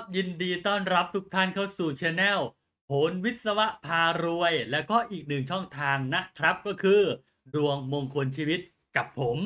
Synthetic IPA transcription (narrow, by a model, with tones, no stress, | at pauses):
p̚ji˧ndiː˧t̪ɔː˥˩nɾa˦˥p̚t̪ʰu˦˥k̚t̪ʰa˥˩nkʰaː˥˩wsuː˨˩t͡ɕʰɛ˧nɛː˥˩w | pʰo˩˦nwi˦˥t̪̚sa˧wa˦˥ʔpʰaː˧ɾu˧əjlɛ˦˥wkɔː˥˩ʔiː˨˩k̚nɯ˨˩ŋt͡ɕʰɔ˥˩ŋt̪ʰaː˧ŋna˦˥ʔkʰɾa˦˥p̚kɔː˥˩kʰɯː˧ | du˧əŋmoː˧ŋkʰo˧nt͡ɕʰiː˧wi˦˥t̪̚ | ka˨˩pʰːo˩˦m